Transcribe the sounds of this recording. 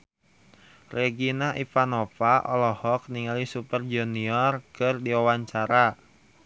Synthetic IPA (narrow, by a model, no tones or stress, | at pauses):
reɡinaʔifanofaʔɔ̰lɔhɔk̚niŋalisupərd͡ʒuniɔrkɨrdiwawaɲt͡ʃaɾa